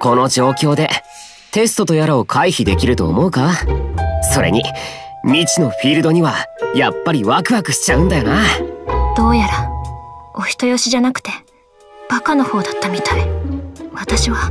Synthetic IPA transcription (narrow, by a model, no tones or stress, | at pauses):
ko̞no̞d͡ʑo̞ːkʲo̞ːd̪e̞ | t̪e̞sɨ̥t̪o̞t̪o̞jaɾao̞kʰaiçid̪e̞kʲiɾɯ̟t̪o̞̰ːmo̞ɯ̟ka | so̞ɾe̞̰ɲ̟i | mʲit͡ɕino̞ɸʲiɾɯ̟d̪o̞ɲ̟iβajapːaɾʲiβakɯ̟βakɯ̟ɕi̥t͡ɕaɯ̟̃nd̪ajo̞na | d̪̥o̞ːjaɾa | o̞çʲi̥t̪o̞jo̞ɕiʑanakɯ̟̥t̪e̞ | b̥akano̞ho̞ːd̪at̪ːamʲit̪aiβat̪aɕiβa